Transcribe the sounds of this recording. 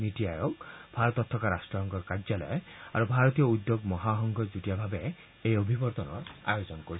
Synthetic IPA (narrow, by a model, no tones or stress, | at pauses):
niʈiajokbʱaɾɔt̪ɔt̪ʰːɔkaɾasʈɔɦɔŋɡkɔkaɾd͡ʒalɔ̰jeaɾubʱaɾɔt̪ijɔud̪joɡmɔɦaɦɔŋɡʱɔd͡ʒuʈijabʱabe | ejobʱibɔɾd̪ɔnɔ̰a̰jod͡ʒɔnɔkoɾi